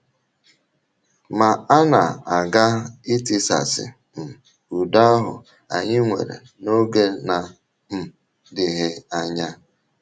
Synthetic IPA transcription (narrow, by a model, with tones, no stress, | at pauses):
ma˨a˦na̰˨a˨ɡa˦i˦ti˦sa̰˨sɪ̰˨ | m̩˨ | u˨da˦ɦʊ̰˨ | a̰˨ɲɪ˦ŋʷḛ˨ɾḛ˨ | no˦ɡe˦na˨ | m̩˦ | dɪ˨ɦɪ˦a˨ɲa˦